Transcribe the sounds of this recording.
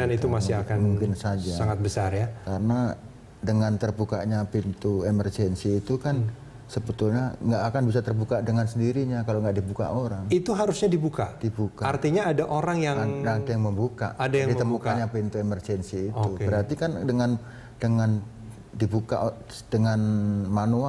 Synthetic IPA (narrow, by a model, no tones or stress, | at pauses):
anit̪umasiakanmuŋkɪnsad͡ʒasaŋat̪̚bəsarjakaɾəna | dəŋant̪ərbuka̰ʔɲapint̪uemərd͡ʒɛnsiːt̪ukan | səbət̪ulɲaŋɡaʔːkanbisat̪ərbukadəŋansəndiɾiɲakaloŋɡaʔdibuka̰ʔoɾaŋit̪uɦaɾusɲadibukad̥ibukaart̪iɲaːdaʔoɾaŋjaŋaaadajaŋməmbuka̰ʔadajaŋdimt̪əmukaɲapint̪uemərd͡ʒɛnsiːt̪ubəɾhart̪ikandəŋan | dəŋan | dibuka̰ʔ | dəŋanmanua